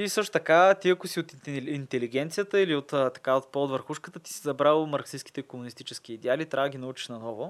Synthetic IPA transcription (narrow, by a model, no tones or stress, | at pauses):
isɤʃt̪o̥t̪ɐkat̪iɐkosiot̪int̪ɛliɡ̟ɛnt̪sijət̪əiliot̪ət̪ɐ̥kaot̪̚pɔd̪vəɾxuʃkət̪ət̪i̥sizɐbɾalˠmɐɾksiskit̪ɛikomunist̪it͡ʃɛsk̟iːd̪ɛalit̪ɾʔavd̪əɡʲinɐut͡ʃi̥ʃnɐnɔvʊ